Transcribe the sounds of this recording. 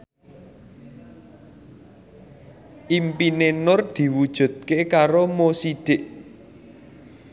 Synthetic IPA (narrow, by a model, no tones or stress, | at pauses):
ʔimpinenʊrd̪̥i̤wud̥ʒ̥ṳd̪̥̚kekaɾomosid̪̥ɪʔ